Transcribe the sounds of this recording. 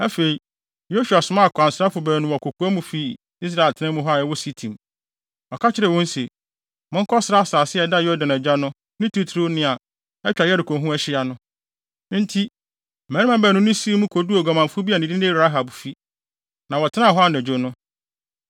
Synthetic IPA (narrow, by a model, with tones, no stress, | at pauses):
æ˦fe˨i˨ | jo˦su˨a˨sʊ˨˦mã˦˨kʰa˨n˨sɾa˦fʊ˨bæː˨nʊ̃˨wɔ˨kʰo˨kʰu˨˦a˦mũ˨fi˦˨ | i˦s̬ɾa˦˨e˨ltʰɪ˨nɪ̃˦mʊ̃˦ɦɔ˦a˨ɛ˦wɔ˦si˦tʰĩ˨m | ɔ˨kʰa˦t͡ɕʰɪ˦ɾɛ˨wɔ̃˦n˦se˨ | mʊ̃˦ŋ̩˦kʰɔ˦sɪ˨ɾa˦a˦saː˨sɪ˦ɛ˨da˦jɔ˦dã˨næ˨d͡ʑᶣa˦nʊ̃˦ | nʊ̃˦tʰu˦tʰɾo˦nɪ̃˦˨a˨ | ɛ˦t͡ɕᶣa˨jɛ˦dʊ˨kʰõ˨ɦũ˦ɛ˦ɕɪ˦a˨nʊ̃˦ | n̩˦tʰi˦˨ | mæ̃˨˦nɪ̃˦mã˦bɛ˨nʊ̃˦nʊ̃˦si˦mũ˦kʰo˨du˦o˨ɡa˨mã˨m˨fʊ˦bi˦a˨nɪ̃˨dɪ˦nɪ̃˦ɾa˦ɦa˨bfi˦ | nã˨wɔ˨tʰɪ˦nã˦˨ɦɔ˦a˨nɛ˨d͡ʑᶣo˦nʊ̃˦